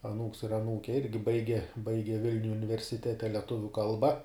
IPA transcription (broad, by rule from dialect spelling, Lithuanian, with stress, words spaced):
ɐˈnuːks ɪr ɐˈnuːkʲɛ ˈɪrʲɡʲɪ ˈbɐɪɡʲɛ ˈbɐɪɡʲɛ ˈʋʲɪlʲnʲʊj ʊnʲɪʋʲɛrʲsʲɪˈtʲæːtʲɛ ˈlʲæːtʊʋʲuː ˈkɐlˠbɐ